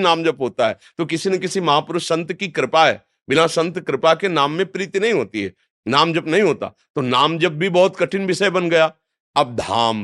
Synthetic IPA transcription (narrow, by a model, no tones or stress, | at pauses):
naːmd͡ʒɐbɦoːt̪aɦɛ̰ːt̪okɪsinekɪsimɐɦãːpɾʊsɐ̃nt̪kikɾɪpaɦɛ̰ː | bɪnasɐ̃nt̪kɾɪpakenaːmːẽpɾiːt̪inɐɦĩɦoːt̪iɦɛ̰ː | naːmd͡ʒɐbnɐɦĩɦoːt̪a̰ | t̪onaːmd͡ʒɐb̚ːʱibɔɦʊt̪kɐʈʰɪnbɪʃəbɐnɡɐjaː | ɐb̚d̪ʱa̰ːm